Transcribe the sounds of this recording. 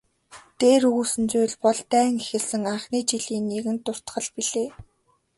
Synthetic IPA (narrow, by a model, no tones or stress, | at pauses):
t̪eːɾɵɣuːsɘ̆nt͡sujɮpɔɮt̪æːŋixɘ̆ɮsɘ̆ŋaɴχniːt͡ɕiɮiːnːeɣɘ̆nt̪ʊr̥t̪χə̆ɮpiɮeː